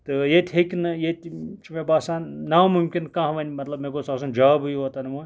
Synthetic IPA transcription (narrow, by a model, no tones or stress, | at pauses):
t̪ɨjet̪ʲɦekʲnɨjet̪ʲt͡ʃʰimebaːsaːnnɐmumkʲinkãːɦʋɐnʲmɐt̪lɐbmekosaːs̬und͡ʒaːbɨjʋot̪ɐnmo